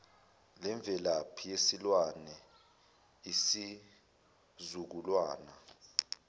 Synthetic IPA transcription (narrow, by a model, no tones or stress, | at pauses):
lɛɱb̪vʱɛlapʰijesilwanɛ | isi | zuk̬ulwaːna